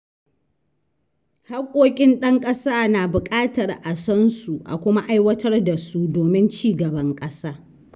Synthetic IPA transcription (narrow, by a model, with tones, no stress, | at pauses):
ha˦rkʷʼoː˦kʲʼɪ˦nɗɐ˦ŋkʼɐ˦saː˦naː˨bʊ˨kʼaː˦tɐ˨rʔa˨sɔ˦nsu˨ʔa̰˨kʷʊ˦ma˦ʔa˦jwɐ˦tɐ˦rda˨su˦doː˨mɪ˦nt͡ʃiː˦˨ɡɐ˨bɐ˦ŋkʼɐ˦saː˦